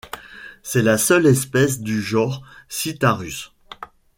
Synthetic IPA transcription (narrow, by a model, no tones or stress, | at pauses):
sɛlasœlɛspɛs̬d̪yʒɔ̃ʁsit̪aʁys